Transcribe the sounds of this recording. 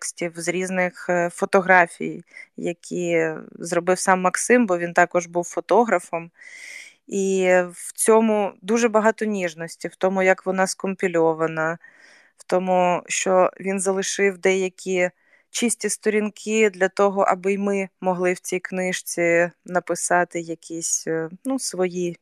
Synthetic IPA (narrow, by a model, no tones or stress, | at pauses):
ksʲtʲiwzɾʲiznɪxfɔt̪ɔɦɾɑfʲḭjjɐkʲʰizrɔbɪwsɑmːɐksɪmbɔʋʲint̪ɑkɔʒbuwfɔt̪ɔɦɾɐfɔm | iwt͡sʲɔmʊd̪uʒɛbɐɦɑt̪ɔnʲiʒnɔsʲtʲiwt̪ɔmʊjɐkʋɔnɑskɔmʲpʲilʲɔʋɐnɐ | wt̪ɔmʊʃt͡ʃɔʋʲinzɐlˠɪʃɪwd̪ɛjɐkʲi | t͡ʃisʲtʲist̪ɔɾʲinkʰɪd̪lʲɐt̪ɔɦɔʔɐ̰bɪjmɪmɔɦlˠɪwt͡sʲijknɪʃt͡sʲinɐpɪsɑt̪ɪjɐkʲʰisʲnusʋɔji